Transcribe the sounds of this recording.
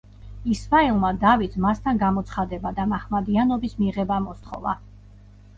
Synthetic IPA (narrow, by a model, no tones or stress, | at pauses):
ismaɛlˠmad̪avit̪ʰmast̪ʰanɡamɔt̪sʰχad̪ɛbad̪amaχmad̪ianɔbismiʁɛbamɔst̪ʰχɔ̰va̰